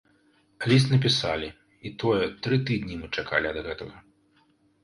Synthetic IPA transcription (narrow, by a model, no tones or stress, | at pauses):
lʲis̬t̪nɐpʲisalʲi | it̪ɔjɛt̪ɾɨt̪ɨd̪nʲimɨt͡ʂaka̰lʲiɐd̪ɣɛt̪ɐɣɐ